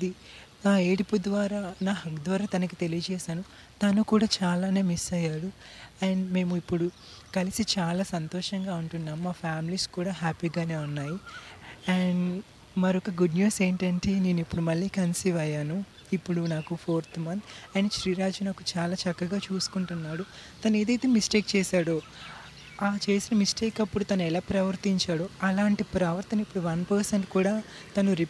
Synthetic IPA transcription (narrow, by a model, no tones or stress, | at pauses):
id̪i | naːeːɽipud̪ʋaːɾaːnaːɦɐkd̪ʋɐːɾaːt̪ɐnɐk̬it̪e̞lijɐt͡ʃɛːsaːnu | t̪ɐnukuːɽaːt͡ʃaːlaːne̞ːmisɐjːaːɽuɐːɳɖme̞ːmuipːuɽu | kɐlisit͡ʃaːlaːsɐnt̪ɔːʂɐŋɡaːuɳʈunːaːmmaːpʰjaːmiliːskuːɽaːɦaːpiːɡaːne̞ːunːaːji | ɛɳɖ | mɐɾɔkɐɡuɖnjuːseːɳʈɐɳʈene̞ːnuipːuɽumɐɭːiːkɐnsiʋɐjaːnu | ipːuɽunaːkupʰoːɾt̪ʰmɐnt̪ʰɐjniːʃɾiːɾaːd͡ʒunaːkut͡ʃaːlaːt͡ʃɐkːɐɡaːt͡ʃuːsu̥kuɳʈunːaːɽut̪ɐneːd̪ɐjt̪eːmisʈeːk̚t͡ʃɛːsaːɽo | aːt͡ʃe̞ːsinɐmisʈeːkɐpːuɽut̪ɐnɐɛlaːpɾɐʋɐɾt̪iɲt͡ʃaːɽoɐlaːɳʈipɾɐʋɐɾt̪ɐnɐipːuɽuʋɐnpɐɾsɐɳʈkuːɽaː | t̪ɐnuɾi